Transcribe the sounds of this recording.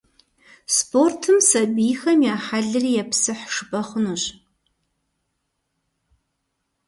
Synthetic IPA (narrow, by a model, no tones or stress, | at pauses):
spʰortʰɨmsɐbijxɐmjaːħaɮɨrijɛpsɨħʂɨpʼɐχʷʊnuːɕ